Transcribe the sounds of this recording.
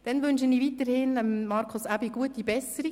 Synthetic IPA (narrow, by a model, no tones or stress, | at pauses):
d̥ɛnʋʏnʃəniːʋitəɾhɪnəmːɑɾkʰʊsæbiɡuətibɛsəɾi